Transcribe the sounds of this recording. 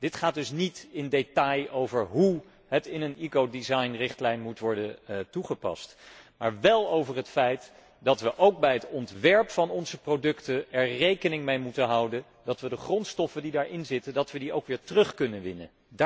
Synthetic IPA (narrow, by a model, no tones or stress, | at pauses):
d̥ɪtχaːt̚dɵsnitɪndetɑjowvəɹɦu | ɦətɪnənikowdizɑjnrɪχtlɛjnmutʋɔɹdətuχəpɑ̰stma̰ːɹʋɛlˠowvərɦətfɛjt | dɑtʋəʔowk̚bɛjɦətɔntʋɛɹpfɑnɔnzəprowdɵktəɛɹrejkənɪŋmejmutənɦɑwdən | dɑtʋədəχrɔntstɔfəndidaːɹʔɪnzɪtədɑtʋədiowkʋɪːɹtərɵχkɵnənʋɪnə̰ | d